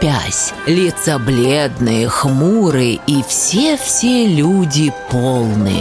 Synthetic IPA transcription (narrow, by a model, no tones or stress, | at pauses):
pʲæsʲlʲɪt̪sɐblʲed̪nɨjəxmuɾɨifsʲefsʲelʲudʲɪpolˠnɨ̰jə̰